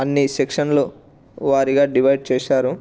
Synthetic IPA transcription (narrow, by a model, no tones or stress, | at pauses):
ɐnːisekʂɐnlu | ʋaːɾiɡaːɖiʋɐjɖt͡ʃɛːʃaːɾu